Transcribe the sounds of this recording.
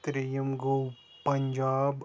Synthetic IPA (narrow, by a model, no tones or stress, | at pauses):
t̪ɾijɐmɡow | pɐɲd͡ʒaːb